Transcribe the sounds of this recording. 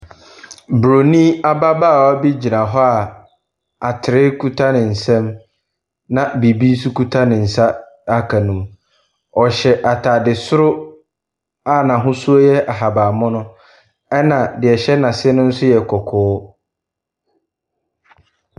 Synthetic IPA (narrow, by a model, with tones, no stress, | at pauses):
bɾo˨nĩ˦a˦ba˦baː˦˨a˦bi˦d͡ʑi˨nã˨ɦɔ˦a˨ | a˨tʰɪ˨ɾɪ˦kʰu˦tʰa˦nɪ̃˨n̩˨sɛ̃˦m | nã˨bi˨bi˦n̩˦s̬u˦ku˦tʰa˦nɪ̃˨n̩˨sa˦ | a˦kʰa˨nũ˨m | ɔ˨ɕɛ˨ʔa˨tʰaː˨dɪ˨sʊ˦ɾʊ˦ | a˦˨nã˨ɦʊ̃˦su˦o˦jɛ˦ʔa˨ɦa˨baː˨mʊ̃˦nʊ̃˦ | ɛ˦nã˨dɪ˨ɛ˨ɕɛ˦nã˨sɪ˦ɛ˦nʊ̃˦n̩˦sʊ˦jɛ˨kʰɔ˨kʰɔː˨˦